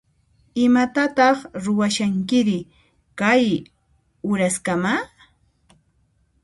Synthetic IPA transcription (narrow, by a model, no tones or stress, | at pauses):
ɪmat̪at̪ɑχɾʊwaʃaŋkɪɾɪ | kaj | ʊɾaskama